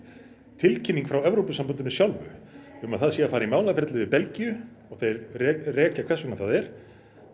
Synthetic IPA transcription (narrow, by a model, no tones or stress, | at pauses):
t̪ʰɪlcʰɪnːiŋkfɾawɛvɾowpʏsampʏnt̪ɪnʏsjawlvʏ̰ʏmaðθaðsiːafaːɾaimaːwlafɛt̪lʏvɪpɛlcijʏ | ɔɣθejɾɛrɛːcakʰvɛsuŋnaθaðɛɾ̥